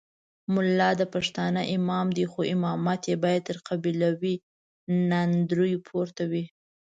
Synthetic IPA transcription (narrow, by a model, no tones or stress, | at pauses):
mʊlːɑd̪əpaʂt̪ɑnəʔɪmɑmd̪ixoʔɪmɑmat̪jebɑjad̪̚t̪əɾqabilawi | nand̪ɾujpʰoɾt̪awi